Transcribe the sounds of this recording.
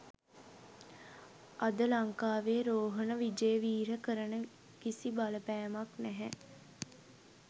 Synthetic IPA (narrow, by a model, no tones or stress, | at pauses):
ad̪əlaŋkaːʋeːɾoːɦənəʋid͡ʒəjəʋiːɾəkəɾənə | kisibaləpæːmaknæɦɛ